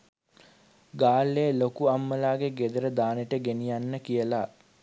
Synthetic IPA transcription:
ɡaːlːeːlokuamːəlaːɡeɡed̪əɾəd̪aːneʈəɡenijanːəkijəla

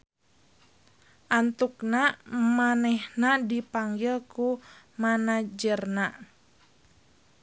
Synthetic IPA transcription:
ʔant̪uknamanɛhnadipaŋɡilku | manad͡ʒərna

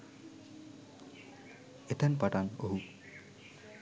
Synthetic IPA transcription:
et̪ʰanpaʈanoɦu

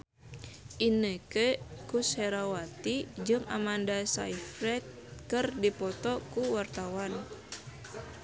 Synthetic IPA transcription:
ʔinəkəkuseɾawat̪id͡ʒɨŋa̰mandasa̰ifɾɛt̪̚kɨrdipɔt̪ɔkuwart̪awan

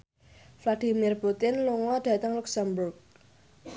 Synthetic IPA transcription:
flad̪imirput̪ɪnloŋwaɖ̥a̤t̪aŋluksambʊrɡ̚

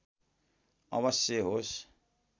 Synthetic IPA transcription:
ʌ̰βʌsjʌɦos

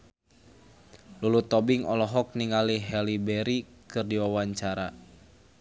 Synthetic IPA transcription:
lulut̪ɔbiŋɔlɔɦɔk̚niŋaliɦɛlibɛɾikɨrdiwawaɲt͡ʃaɾa

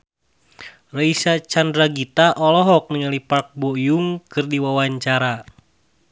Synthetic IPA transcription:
raisat͡ʃandɾaɡit̪aʔɔlɔɦɔk̚niŋalipark̚bɔjuŋkɨrdiwawaɲt͡ʃaɾa

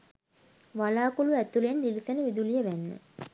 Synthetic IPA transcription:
ʋalaːkuluæt̪ulend̪ilisænəʋid̪ulijəʋænːə̰

